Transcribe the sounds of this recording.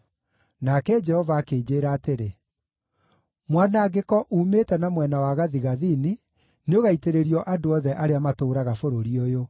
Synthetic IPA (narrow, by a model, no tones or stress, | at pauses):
nakɛd͡ʒɛhɔvaːkeːd͡ʒeːɾaːteɾe | mwanaɡekɔʔuːmetɛnamwɛnawaɣaðiɣaðini | neoɣaiteɾeɾiɔʔadoɔðɛʔaɾeamatoːɾaɣafoɾoɾiɔjo